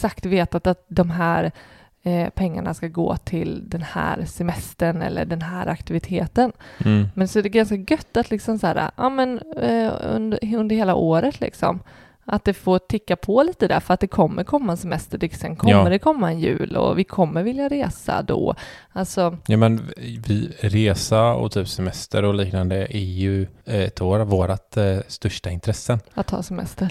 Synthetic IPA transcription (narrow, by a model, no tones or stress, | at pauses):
sakt̪veːt̪at̪at̪̚d̪ɔmɦæːɾ | pʰɛŋːa̰ɳaskaɡo̰ːt̪ʰɪld̪ɛnhæ̰ːɾsɛmɛst̪əɳɛ̰lːə̰ɖɛnɦæːɾʔakt̪ɪvɪt̪ʰeːt̪ənmɛnsɔɛd̪ɛɡanskaɡœt̪ːat̪lɪksɔmsæːɾa̰ʔɑːmɛn | ɵ̰nd̪əɵnd̪əɾheːlaʔoːɾət̪ʰlɪ̰ksɔ̰m | a̰t̪̚d̪ɛfoːt̪ʰɪkːapʰɔliːt̪əd̪æ̰ɾfœɾat̪̚d̪ɛkʰɔmːʔəɾkʰɔmːaɛnsɛmɛst̪əɖɪsɛnkʰɔmːəɖɛkʰɔmːaɛnjʉ̟̰ːlɔ̰vɪkʰɔmːəɾvɪljaɾeːsa̰d̪ɔ̰ | alt̪sɔjuːmɛnvɪɾeːsaɔ̰t̪ʰyːpsɛmɛst̪ʰəɾɔliːknand̪əʔɛɾjɵɛt̪ʰoːɾavoːɾat̪st̪œʂʈaɪnt̪ʰɾɛsːənat̪ʰːɑ̰ːsɛmɛ̰st̪əɾ